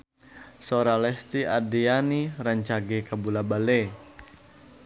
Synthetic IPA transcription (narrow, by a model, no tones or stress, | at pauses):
soɾalɛst̪iadianiɾaɲt͡ʃaɡekabulabale